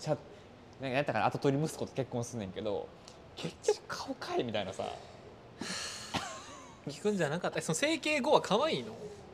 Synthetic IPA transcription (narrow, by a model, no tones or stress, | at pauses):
t͡ɕa | nanaɲit̪ːakanat̪o̞t̪o̞ɾʲimɯsɨ̥kot̪o̥ke̞kːõsɨɯnːẽ̞ŋke̞d̪o̞̰ | kʰe̞kʲːokɯ̟̥kʰḁokʰaimʲit̪ainasa̰ | kʲi̥kɯ̟̃ɲ̟d͡ʑanakat̪ːaisonose̞ːke̞ːɡo̞βakʰaβaiːno̞